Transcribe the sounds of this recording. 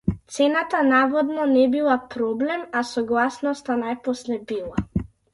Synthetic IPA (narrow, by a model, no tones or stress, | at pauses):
t̪seːnat̪anaːʋɔd̪nɔnɛbilapɾoblɛmasɔɡlasnɔst̪anajpɔslɛbila